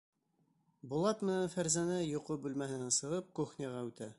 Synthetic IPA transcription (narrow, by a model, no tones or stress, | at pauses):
bŏlˠɑt̪mɘ̆nænfæɾzænæjŏqobʉlmæhɘ̆nænsɤ̆ʁɤp̚kuχnʲɑʁɑʉt̪æ